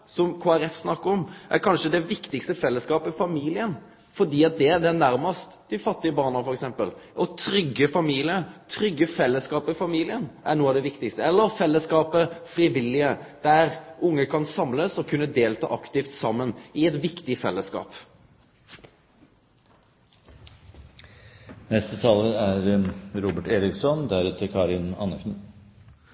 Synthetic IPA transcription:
sɔmkʰoːæɾɛfsnɑkːəɾɔmʔæ̰ɾkʰɑnʂəd̪ɛʋɪkt̪ɪkst̪əfɛlːəskɑːpəfɑmiːlɪən | fɔɖ̪iːɑt̪̚d̪ɛd̪ɛænæɾməst̪d̪ɪfɑt̪ːɪəbɑːʁnəfɔɾɛksɛmpəlʔɔt̪ʰɾʏɡːəfɑmiːlɪət̪ʰɾʏɡːəfɛlːəskɑːpəfɑmiːlɪənʔæɾnuːəɑʋd̪ɛʋɪkt̪ɪkst̪əɛlːəɾfɛlːəskɑːpəfɾiːʋɪlːɪəd̪̥æɾʔʊŋːəkʰɑnsɑmləsɔkʰʉnːəd̪eːlt̪ʰɑ̰ːʔɑkt̪ɪft̪sɑmːənɪɛt̪ʋɪkt̪ɪfɛlːəskɑ̰ːp | nɛst̪ət̪ʰɑːləæɾɾuːbəʈeːɾɪksɔnd̪æɾʉːt̪ʰəkʰɑːɾɪnɑ̰nːəʂn̩

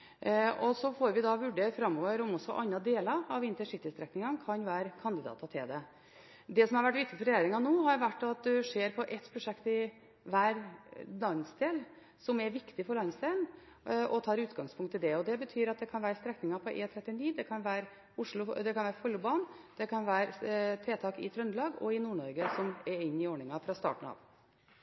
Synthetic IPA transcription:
ɔsɔfoːɾʋɪd̪ɑʋʉɖeːɾfɾɑmːoːʋəɾɔmɔsːɔʔɑnːɑd̪eːlɑɾɑʋɪnt̪ɛnʂɪk̚t̪ːɪst̪ɾɛknɪŋɑnkʰɑnʋæːɾkʰɑnd̪ɪd̪ɑ̰ːt̪ɑt̪ʰɪld̪ɛ | d̪ɛsɔmhɑɾʋæʈːʋɪk̚t̪ɪfɔɾɛjeːɾɪŋɑnoːɦɑɾʋæʈːɑt̪̚d̪ɛʂeːɾpʰɔʔɛt̪pʰɾʊʂɛkt̪ɪ | ʋæːɾlɑnsd̪eːl | sɔmɛɾʋɪkt̪ɪfɔɾɭɑnsd̪eːln | ʔɔt̪ʰɑːɾʉːt̪ɡɑŋspʰʊŋkt̪ʰːɪld̪ɛɔd̪ɛbət̪ʰyːɾɑt̪̚d̪ɛkʰɑnʋæːɾəst̪ɾɛknɪŋɑpʰɔʔeːt̪ʰɾɛt̪ːɪniːd̪ɛkʰɑnʋæːɾ | ʊʂɭʊd̪ɛkʰɑnʋæːɾəfɔlːʊbɑːnd̪̥ɛkʰɑnʋæːɾt̪ʰɾeːt̪ʰɑːkɪt̪ʰɾœnlɑːɡɔɪnuːɳɔɾɡəsɔmɛɾɪnːɪoːɳɪŋɑfɾɑst̪ɑ̰ːʈɳ̩ɑ̰ːʋ

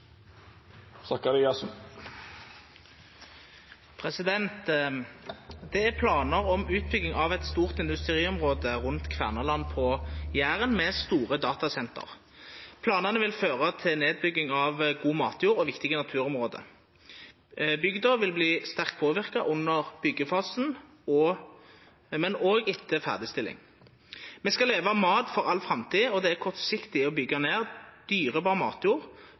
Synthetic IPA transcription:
sɑkɑɾiɑsm | pʰʁɛsɪd̪ɛnt̪ | d̪ɛæʁpʰlɑːnəʁɔmʉːt̪̚bʏɡɪŋɑʋɛt̪st̪uːʁt̪ɪnd̪ʉst̪ʁiːɔmʁoːd̪əʁʉnt̪kʰʋæ̰ʁnɑlɑnpʰɔjæːʁənmɛst̪uːʁəd̪ɑːt̪ɑsɛnt̪ʰə̰ʁ | pʰlɑːnənəʋɪlføːʁət̪ʰɪneːd̪̚bʏɡɪŋɑʋɡuːmɑ̰ːt̪juːʁɔʋɪkt̪ɪɡənɑt̪ʰʉːʁɔmʁoːd̪ə̰ | bʏɡd̪əʋɪlbliːst̪æʁkt̪̚pʰoːʋɪʁkɑʔʊnːəʁb̥ʏɡːəfɑːsn̩ | ɔ | mɛnoːɡɪt̪ʰːəfæ̰ʁd̪ɪst̪ɪlːɪ̰ŋ | mɛskɑleːʋɑmɑːt̪fɔʁɑlfʁɑmt̪ʰiːɔd̪ɛæʁkʰɔʁt̪sɪkt̪ɪɔbʏɡːɑneːʁd̪̥yːʁəbɑːʁəmɑ̰ːt̪juːʁ

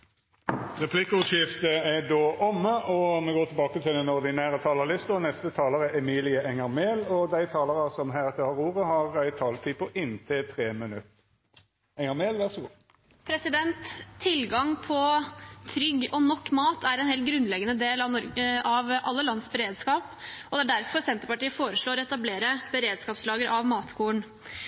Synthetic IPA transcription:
ʁɛpʰlɪkːəʊʃɪft̪əɛɖoːʔɔmːəʔɔmɛɡoːt̪ɪlbɑːkət̪ʰɪld̪ɛnɔʁd̪ɪnæːʁət̪ʰɑːləɾlɪst̪ɔnɛst̪ət̪ʰɑːləʁɛʔɛmiːlɪəʔɛŋəʁmeːlɔd̪æɪt̪ʰɑːləʁɑsɔmɦæɪʁɛt̪ːəhɑʁuːʁəhɑʁæɪt̪ʰɑːlt̪ʰiːpʰɔʔɪnt̪ʰɪt̪ʰʁeːmənʉt̪ | ɛŋəmeːlʋæʁsɔɡuː | pʰɾɛsɪd̪ɛnt̪ʰːɪlɡɑŋpʰɔt̪ʰɾʏɡːɔnɔkːmɑːt̪ʰæɾɛnheːlt̪̚ɡɾʉnlɛɡənəd̪eːlɑʋnɔɾɡəʔɑʋʔɑlːəlɑnsbəɾeːd̪skɑːpɔd̪ɛæɖæɾfɔɾsɛnt̪əɾpɑʈiːəfoːɾəʂɭoːɾɔɛt̪ɑbleːɾəbəɾeːd̪skɑːpslɑːɡəɾʔɑʋmɑːt̪kʰuːəɳ

